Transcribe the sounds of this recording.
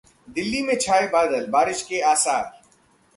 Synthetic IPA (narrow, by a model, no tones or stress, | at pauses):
d̪ɪlːimẽt͡ʃʰaːebaːd̪əlbaːɾɪʃkeaːsaːɾ